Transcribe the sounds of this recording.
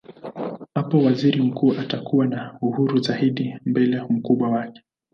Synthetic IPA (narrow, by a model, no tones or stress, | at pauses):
hapɔwaziɾim̩kuːʔatakuwanauhuɾuzaiɗimbɛlɛm̩kuɓwawakɛ̥